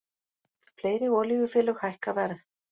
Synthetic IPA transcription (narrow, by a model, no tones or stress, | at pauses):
fleːjɾɪɔːliɣʏfɪːlʏɣhajhkavɛɾð